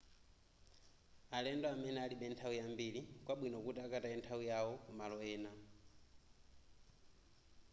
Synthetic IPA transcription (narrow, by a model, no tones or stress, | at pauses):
alɛndɔamɛnɛaliɓɛntʰaujambiɺikwaɓwinɔkutiakataɛntʰawujaɔkumalɔɛːna